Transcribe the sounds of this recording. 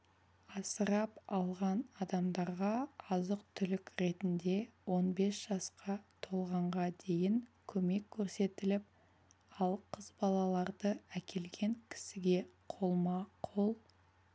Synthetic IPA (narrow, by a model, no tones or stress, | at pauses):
ɑsəɾɑpɑlˠʁɑnɑd̪ɑmd̪ɑɾʁɑɑzəq̚t̪ʰʏlɪkɾe̞t̪ɪnd̪e̞wo̞nbe̞sʒ̥ɑsqɑt̪ʰo̞lˠʁɑɴʁɑd̪e̞jɪŋkʲʰɵme̞kʲʰːɵɾse̞t̪ɪlɪp̚ | ɑlˠqʰəzbɑlˠɑlˠɑɾd̪əækʲʰe̞lɡʲe̞ŋkʲʰɪ̥sɪɡʲe̞qʰo̞lˠmɑqʰo̞lˠ